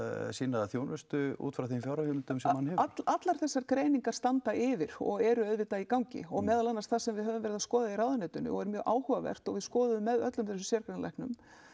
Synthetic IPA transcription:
sinaaθjoːwnvʏst̪ʏṵːt̪fɾawθimfjawɾahɪmɪlt̪ʏmsɛmhanhɛaʔat̪laɾ̥θɛsːaɾkɾeːjniŋkaɾ̥st̪ant̪aʔɪvɪɾ̥ɔ̰ɣɛɾʏœðvɪt̪aikawɲcɪ̰ɔɣmɛːðalanːast̪θasɛmvɪðɦɛvʏmvɛɾɪðaskɔːðairawðʏnɛːt̪ʏnʏ̰ɔ̰ɣɛɾmjœːɣʔaːwhʏvavɛ̰r̥t̪ɔɣvɪðskɔːðʏðʏmːɛðœt̪lʏmθɛsʏ̥sjɛɾkɾanlajhknʏ̰m

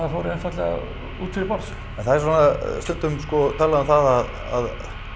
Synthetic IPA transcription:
afɔwɾɪɛnfat̪lɛɣa̰ | uːt̪fɪɾɪɾpɔɾs | ɛnθaðɛɾsanast̪ʏn̥t̪ʏmskɔt̪ʰaːlaðʏmθaðað | a̰ð

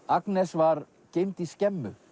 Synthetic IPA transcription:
aknɛsvaɾ | cejmt̪iscɛmːʏ̰

